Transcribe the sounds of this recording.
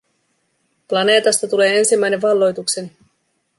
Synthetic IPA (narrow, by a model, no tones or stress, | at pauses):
plɑne̞ːt̪ɑst̪ɑt̪ule̞ːe̞nsimːæjne̞ʋʋɑlːo̞jt̪ukse̞ni